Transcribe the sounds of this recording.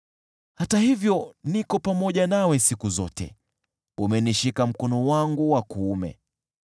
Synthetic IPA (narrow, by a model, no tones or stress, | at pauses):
hatahivjɔnikɔpamɔʄanawɛsikuzɔ̰tɛ̰ | umɛniʃikam̩kɔnuwaŋɡuwakuːmɛ̰